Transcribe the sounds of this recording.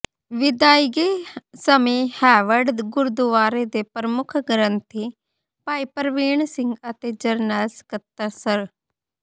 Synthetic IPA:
ʋɪd̪aːiɡeːsəmeːhɛːʋəɾɖɡʊɾd̪uʋaːɾed̪eːpɾəmʊkʰɡəɾənt̪ʰiː | paːipəɾʋiːɳsɪ̃ŋɡət̪eːd͡ʒəɾnɛːskət̪ːəsəɾ

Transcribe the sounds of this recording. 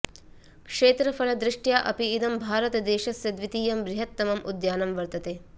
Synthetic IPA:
kʂeːt̪ɾɐfɐɭɐd̪ɾɪʂʈjaːʔɐ̰piːd̪ɐmbʱaːɾɐt̪ɐd̪eːʃɐsjɐd̪ʋit̪iːjɐmbɾɪɦɐt̪ːɐmɐmʔud̪jaːnɐmʋɐɾt̪ɐt̪eː

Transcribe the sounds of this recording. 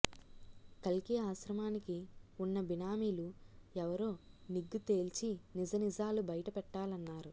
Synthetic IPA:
kɐlkiaːʃɾɐmaːnikiunːɐbinaːmiːluɛʋɐɾo̞ːniɡːut̪eːlt͡ʃinid͡ʒɐnid͡ʒaːlubɐjɐʈɐpɛʈːaːlɐnːaːɾu

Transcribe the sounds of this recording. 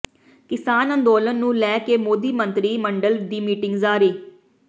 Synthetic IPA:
kɪsaːnənd̪oːlənːũːlɛːkeːmoːd̪iːmə̃nt̪ɾiːməɳɖəld̪iːmiːʈɪ̃ŋɡzaːɾiː

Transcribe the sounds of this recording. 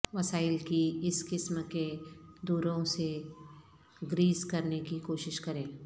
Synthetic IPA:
ʋɐsaːɪlkiɪskɪsmked̪uːɾõse | ɡɾiːzkɐɾnekikoːʃɪʃkɐɾẽː

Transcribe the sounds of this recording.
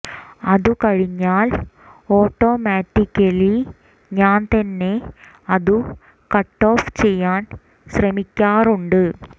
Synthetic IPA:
ɐðukɐɻiɲːaːl | oːʈːo̞ːmaːʈːikːɐli | ɲaːnt̪ɐnːe̞ | ɐðu | kɐʈːo̞ːft͡ɕejːaːn | ɕrɐmikʲːaːruɳɖɨ

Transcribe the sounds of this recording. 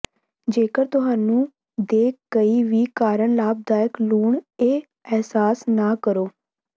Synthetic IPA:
d͡ʒeːkəɾt̪ʊɦaːnũː | d̪eːkɡəiːʋiːkaːɾəɳlaːb̚d̪aːjəkluːɳeː | ɛːsaːsnaːkəɾoː

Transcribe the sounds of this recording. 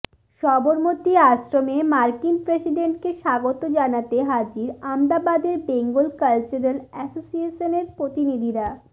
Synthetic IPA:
ʃɔboɾmot̪iaʃɾomemaɾkinpɾesiɖeɳʈkeʃaɡot̪od͡ʑanat̪eɦad͡ʑiɾamd̪abad̪eɾbeŋɡulkalt͡ɕuɾelɛsosieʃoneɾpɾot̪inid̪ʱiɾa

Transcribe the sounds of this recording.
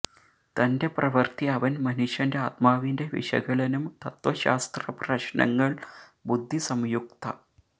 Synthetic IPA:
t̪ɐnde̞prɐʋɐrt̪iɐʋɐnmɐniʂɐndeaːt̪̚maːʋinde̞ʋḭʂɐ̰ɡɐɭɐnumt̪ɐt̪ʋɐɕa̰ːst̪rɐprɐɕnɐ̰ŋːɐɭbud̪ʱːisɐmjuk̚t̪ɐ̰

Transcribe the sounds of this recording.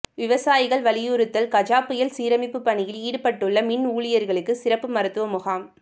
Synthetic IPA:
ʋɪʋɐsaːjɪɣɐɭʋɐɭɪjuɾɯt̪ːɐlkɐd͡ʒaːpːɪjɐlsiːɾɐmɪpːɯpːɐɳɪjɪliːɽɯpɐʈːɯɭːɐmɪnuːɭɪjɐɾɣɐɭɯkːɯsɪɾɐpːɯmɐɾɯt̪ːɯʋɐmʊɣaːm

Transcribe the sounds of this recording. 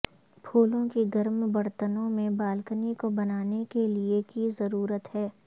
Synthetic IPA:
pʰuːlõkiɡɐɾmbɐɾt̪ənõmẽbaːlkənikobɐnaːnekeliekizɐɾuːɾət̪ɦɛː

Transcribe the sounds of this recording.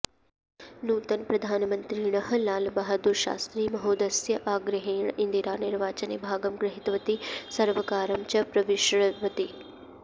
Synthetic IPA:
nuːt̪ɐnpɾɐd̪ʱaːnmɐnt̪ɾiɳɐɦɐ̆laːlbɐɦɐd̪uɾʃa̰ːst̪ɾiːmɐɦoːd̪ɐsjɐʔaːɡɾɐɦeːɳind̪iɾaːniɾʋaːt͡ʃɐnḛbʱaːɡɐmɡɾɐɦit̪ʋɐt̪isɐɾʋɐkaːɾɐmt͡ʃɐpɾɐʋiʃɾɐʋɐt̪i

